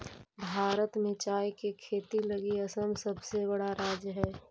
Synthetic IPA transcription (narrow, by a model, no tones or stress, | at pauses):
bʱaːɾət̪mẽt͡ʃaːjkekʰeːt̪ilɐɡiɐsəmsɐbsebɐɽaɾaːd͡ʒjəɦɛː